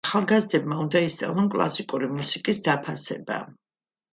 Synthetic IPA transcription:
χalˠɡazd̪ɛbmaund̪aist̪sʼa̰vlnˠɔnkʼlˠa̰sikʼuɾimusikʼisd̪apʰasɛ̰ba̰

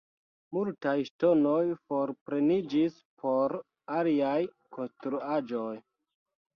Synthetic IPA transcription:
multajʃto̞no̞jfo̞ɾpɾe̞nid͡ʒis | pʰo̞ɾ | aliaj | kʰo̞nstɾuad͡ʒo̞j

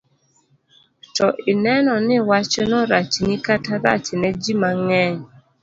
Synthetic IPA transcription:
tɔʔɪnɛnɔnɪwat͡ʃɛnɔɾat͡ʃinikataɾa̰t͡ʃɪnɛd͡ʒimaŋɛɲ

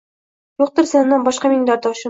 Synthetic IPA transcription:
juq̚t̪ɤ̆ɾsɑnːɑnbɒʃqɑmiŋd̪ɑɾd̪ɑʃɤ̆

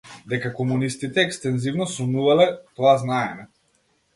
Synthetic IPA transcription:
d̪ɛkakɔmunist̪it̪ɛːkst̪ɛnzivnɔsɔnuvalɛt̪ɔaznaɛmɛ

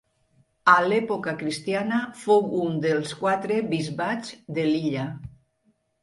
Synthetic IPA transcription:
alɛpokakɾist̪janafowund̪elˠskwat̪ɾeβizβat͡sd̪eliʎa

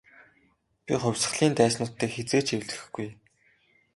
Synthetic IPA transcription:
pʲḭχʊ̟wʲsə̆χɮiːnt̪æːsnʊːt̪ːeːkxet͡seːt͡ɕʰewɮɘ̥̆xɡuj

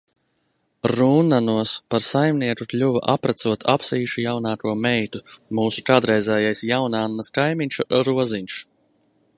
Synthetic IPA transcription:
ɾunanuɔspaɾsajmniɛkuklʲuva̰ʔapɾat̪suɔt̪ʰapsiːʃujawnaːkuɔmɛjt̪umuːsu̥kaːd̪ɾɛjzɛːjajsjawnaːnːaskajmiɲʲt͡ʃuɾuɔziɲʲʃ

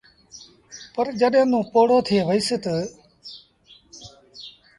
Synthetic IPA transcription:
pəɾd͡ʒəɗẽːnũːpoːɽoːt̪ʰɪeːʋəisɪt̪ə

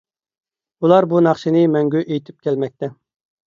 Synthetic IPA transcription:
ulˠɑɾbunɑχʃinɨmɛŋɡʲyʔejt̪ʰɪ̥p̚kʲʰɛlmɛk̚ʲt̪ʰɛ

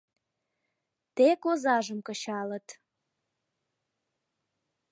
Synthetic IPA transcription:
t̪ekozɑʒəmkə̆t͡ɕɑlət̪

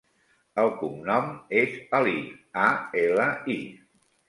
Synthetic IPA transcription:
əlˠkumnɔmezəliaeləi

